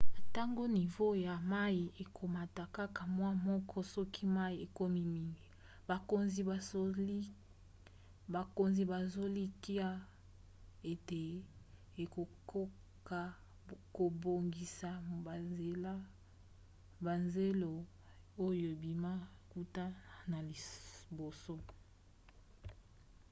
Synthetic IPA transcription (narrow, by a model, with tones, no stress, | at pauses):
ta˦ŋɡo˦ni˨vo˦ja˨ma˦i˨e˨kʰo˨ma˨ta˨ka˦ka˨mwa˦mɔ˦kʰɔ˦sɔ˦kʰi˦ma˦i˨e˨ko˦mi˦mi˨ŋɡi˨ | ba˨ko˨nzi˨ba˨o˦li˦ | ba˨ko˨nzi˨ba˨zo˦li˦ki˦a˦ | e˨te˨ | e˨ko˨ko˦ | ka˨ | ko˨bo˨ŋɡi˨sa˨e˨la˦ | ba˨nze˦lo˨ | o˦jo˨e˨bi˨ma˦ku˦ta˦na˨li˨bo˨so˦